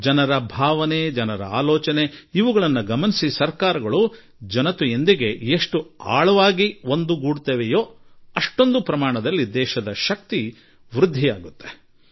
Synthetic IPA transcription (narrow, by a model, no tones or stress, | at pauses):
d͡ʒɐnɐɾɐbʱaːʋɐned͡ʒɐnɐɾɐ̰a̰ːlɔːt͡ʃɐneiʋuɡɐɭɐnːɐɡɐmɐnisisɐɾkaːɾɐɡɐɭu | d͡ʒɐnɐt̪uend̪iɡe̞eʂʈua̰ːɭɐʋaːɡiʋo̞nd̪uɡuːɽt̪eːʋejoːɐʂʈo̞nd̪upɾɐmaːɳɐd̪ɐlːid̪ɛːʃɐd̪ɐʃɐk̚t̪i | ʋɾud̪ʱːijaːɡut̪ːe̥